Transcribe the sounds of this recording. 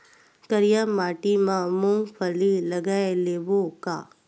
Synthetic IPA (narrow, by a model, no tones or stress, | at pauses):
kəɾijamaːʈimãmũŋpʰəlilɐɡaːeleːbokaː